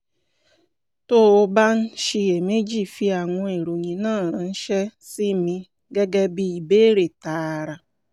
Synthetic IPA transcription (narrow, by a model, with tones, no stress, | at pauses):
to˦o˧ba˦n̩˦ʃi˧e˨me˦d͡ʒi˦˨fi˧a˨ŋɔ̃˧e˨ɾo˨ɲĩ˨nãː˦˨ɾã˨n̩˦ʃɛ˦si˦mĩ˧ | ɡɛ˦ɡɛ˦bi˧i˨be˦ɾe˨ta˨˦˨ɾa˨